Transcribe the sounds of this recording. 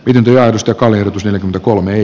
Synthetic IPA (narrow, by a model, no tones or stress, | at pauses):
mit̪ent̪ojɑˑerust̪jɑkɑlːierjot̪usneljækyment̪ækolmeeˑ